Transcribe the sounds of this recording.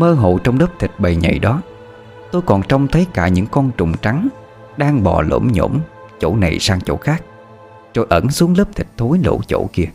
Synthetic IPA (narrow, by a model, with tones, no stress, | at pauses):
məː˧ɦo̰˧˨t͡ɕɔ˧wŋ͡mləː˦˥p̚t̪ʰï˨˩k̚ɓə˨˩jɲə̰˧˨jɗɔ˨˦ | t̪o˧jkɔ˨˩nt͡ɕɔ˧wŋ͡mt̪ʰəː˨˦jkaː˧˩ɲɨ̰˧˥ŋkɔ˧nt͡ɕʊ̰˨˩ŋ͡mt͡ɕa˨˦ŋ | ɗaː˧ŋɓɔ̰˨˩lo̰˧˥mɲo̰˧˩˥m | t͡ɕo̰˧˥na˨˩jsaː˧ŋt͡ɕo̰˧˥xaː˦˥k̚ | t͡ɕo̰˧˩jʔə˧˩nsu˨˦əŋləː˦˥p̚t̪ʰï˨˩k̚t̪ʰo˨˦jlo̰˧˥t͡ɕo̰˧˥ki˧ə